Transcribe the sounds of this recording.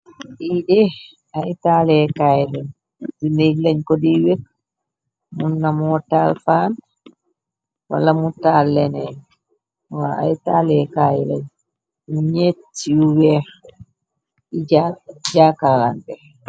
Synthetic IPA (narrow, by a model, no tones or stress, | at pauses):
ɗiːɗɛ | aitaːlɛkaːjlɛɲ | dinelaɲkodiwɛ | munːamɔtːalfan | wa̰lːamutːalːɛnɛ | waa̰jtaːlɛkajla̰ɲ | ɲetːiuwɛɾ | iad͡ʒaːkallandɛɾ